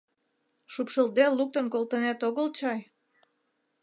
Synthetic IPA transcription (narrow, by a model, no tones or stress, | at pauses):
ʃupʃəld̪elːuk̚t̪ə̆nkolˠt̪ənæt̪oɣəlt͡ɕɑj